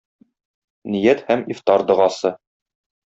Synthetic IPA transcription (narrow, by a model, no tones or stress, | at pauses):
nijæt̪hæmift̪ɑɾd̪ɤ̆ʁɑsɤ